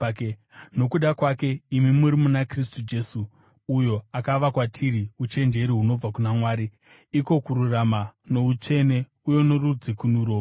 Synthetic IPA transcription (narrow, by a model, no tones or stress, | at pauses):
no̞kuɗakwake̞imimuɾimunakristud͡ʒe̞suː | jo̞akaʋakwatʰiɾiut͡ʃe̞nd͡ʒe̞ɾiɦuno̞b͡vakunamwaːɾi | iko̞kuɾuramano̞ut͡ʃe̞ne̞ | ujo̞noɾud͡zikunuɾoː